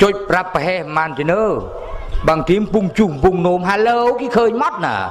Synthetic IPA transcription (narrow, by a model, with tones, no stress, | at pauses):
t͡ɕo˧c̚pɾa˧pːə˧ɦɛ˧hmaː˧nt̪i˧nəː˧˩ | ɓa˧˨ŋt̪i˧əmpu˧ŋt͡ɕu˧˩ŋpu˧ŋno˧mɦaː˧lə˧˦wki˧˥kʰəː˧ɲmɔ˦˥t̪̚na̰ː˧˩